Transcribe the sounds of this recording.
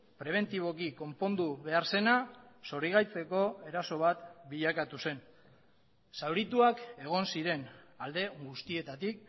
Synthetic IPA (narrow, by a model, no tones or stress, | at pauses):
pɾe̞β̞e̞nt̪iβ̞o̞kiko̞mpo̞nd̪uβe̞aɾse̞naso̞ɾiɣajt͡se̞ko̞e̞ɾaso̞β̞at̪biʎakat̪use̞n | sawɾit̪uake̞ɣ̞o̞nsiɾe̞nald̪e̞ɡust̪ie̞t̪at̪ik̚